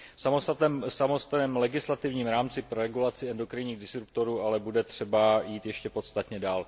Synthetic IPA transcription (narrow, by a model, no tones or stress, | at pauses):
fsamost̪ɛsamost̪nɛːmlɛɡɪslat̪ɪvɲiːmɾaːmt͡sɪpɾoɾɛɡulat͡sɪɛndo̞kɾɪɲiːɣdɪsɾup̚t̪o̞ɾuːalɛbudɛt̪r̝̥ɛbajiːt̪jɛʃcɛpo̞t̪st̪at̪ɲɛdaːl